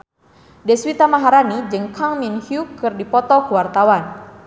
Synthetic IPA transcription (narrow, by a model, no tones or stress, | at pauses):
dɛswit̪amaɦaɾanid͡ʒɨŋkʰaŋminhjukɨrdipɔt̪ɔkuwart̪awan